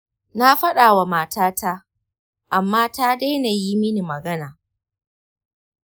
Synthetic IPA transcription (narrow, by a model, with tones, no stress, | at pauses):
na˦ɸɐ˦ɗaː˨wa˨maː˨taː˦ta˦ | ʔa˨mːaː˦taː˦da˦jna˨ji˦mɪ˦ni˨mɐ˨ɡɐ˦naː˨